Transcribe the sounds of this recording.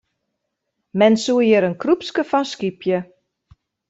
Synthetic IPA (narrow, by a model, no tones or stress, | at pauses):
mɛnsuəjəɾənkrupskəfɔnskipʰjə